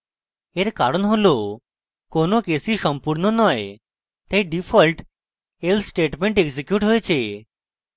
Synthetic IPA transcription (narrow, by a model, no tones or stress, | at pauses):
eɾkaɾonɦolo | konokesiʃɔmpuɾnonɔe | t̪ejɖifʰɔlʈ | elsʈeʈmeɳʈeɡsekjuʈɦojt͡ɕʰe